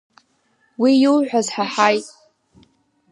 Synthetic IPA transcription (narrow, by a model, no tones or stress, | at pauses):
wijɪlʕʷᶣazħaħajtʼ